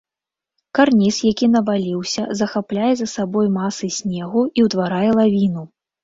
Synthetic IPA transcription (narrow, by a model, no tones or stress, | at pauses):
karnʲisjakʲinɐvalʲiwsʲɐzɐxaplʲajɛzɐsabɔjmasɨsʲnʲɛɣuiwt̪vaɾajɛlˠavʲinu